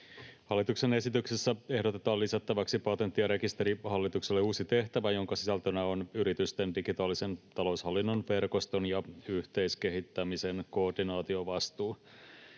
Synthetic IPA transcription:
hɑlːit̪ukse̞ne̞sit̪yksesːæe̞hdo̞t̪e̞t̪ɑːllisæt̪ːæʋæksipɑt̪e̞nt̪ːiɑɾe̞kist̪e̞ɾihɑlːit̪ukse̞lːeuːsit̪e̞ht̪æʋæjo̞ŋkɑsisælt̪ønæo̞nyɾit̪yst̪e̞ndiɡit̪ɑːlːise̞nt̪ɑlo̞ushɑlːinːonʋe̞rko̞st̪o̞njɑyht̪e̞jske̞ɦit̪ːæmise̞nkoːrdinɑːt̪io̞ʋɑst̪uː

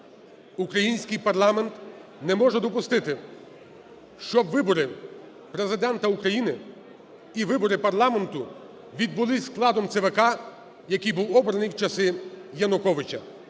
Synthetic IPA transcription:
ukɾɐjinʲsʲkɪjpɐrlˠɑment̪nɛmɔʒɛd̪ɔpʊst̪ɪt̪ɪ | ʃt͡ʃɔbʋɪbɔɾɪ | pɾezɪd̪ɛnt̪ɐukɾɐjinɪ | iʋɪbɔɾɪpɐrlˠɑment̪ʊ | ʋʲid̪̚bʊlˠɪsʲklˠɑd̪ɔmt̪sɛʋekɑ | jɐkijbuwɔbɾɐnɨjwt͡ʃɐsɪjɐnʊkɔʋɪt͡ʃɐ

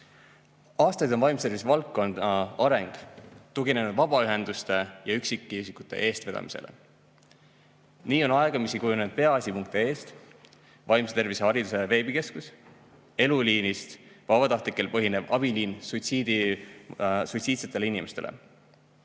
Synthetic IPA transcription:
ɑːst̪ɑjd̪onvɑjmst̪e̞rvisvɑlkːo̞nd̪ɑɑɾe̞ŋɡ̥t̪uɡine̞nud̪vɑb̥ɑyɦe̞nd̪ust̪e̞jɑyksikːˑiysikut̪ːˑe̞̰ʔe̞ːst̪ve̞d̪ɑ̰mi̥̰se̞̰lḛ | niːo̞nɑeɡ̥ɑmisikujuned̪̥̚pe̞ɑɑsʲipuŋk̚t̪ie̞ːst̪ | vɑjmset̪e̞rvishɑɾid̪use̞ve̞ːbike̞skus | e̞luliːnist̪vɑbɑt̪ɑht̪likːˑe̞lpɤɦine̞b̥ɑb̥iliːnsujt̪siːd̪̥i | suijt̪siːt̪set̪ːe̞leinimest̪e̞̰lḛ

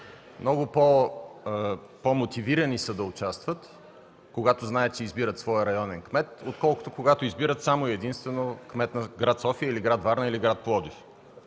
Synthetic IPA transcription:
mnɔɡʊpo | pomot̪iviɾɐnisəd̪ɐʊt͡ʃast̪vət̪ | koɡat̪oznaɛt̪̚t͡ʃɛizbiɾət̪svɔjəɾɐjɔnɛnkmɛt̪ot̪̚kɔlˠkʊ̥t̪okoɡat̪ʊizbiɾət̪samoiɛd̪inst̪vɛnokmɛt̪nɐɡɾat̪sɔfiəiliɡɾat̪vaɾnəiliɡɾat̪̚plˠɔd̪if

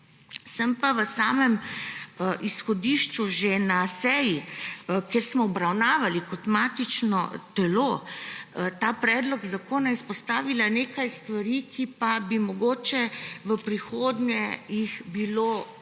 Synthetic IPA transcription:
səmpaʋəsaːmɛm | ʔisxɔd̪iːʃt͡ʃuʒenasɛːjikeːɾsmɔːbɾawnaːʋalikɔt̪maːt̪it͡ʃnɔ̰t̪ɛlo | t̪aːpɾɛːd̪lɔɡzakoːnaispɔst̪aːʋilaneːkajst̪ʋaɾikʰipabimɔɡoːt͡ʃɛʋəpɾixoːd̪ɲʲjɛjixbilo

